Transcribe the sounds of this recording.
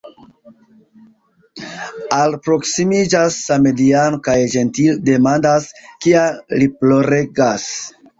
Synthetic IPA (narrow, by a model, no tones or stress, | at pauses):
alpɾo̞ksimid͡ʒasːame̞dianokajd͡ʒe̞ntilde̞mandaskialiplo̞ɾe̞ɡas